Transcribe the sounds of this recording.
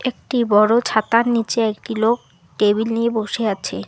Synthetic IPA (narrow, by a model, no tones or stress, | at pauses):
ek̚ʈibɔɽot͡ɕʰat̪aɾnit͡ɕeekʈilok̚ | ʈebilnieboʃeaːɕʰe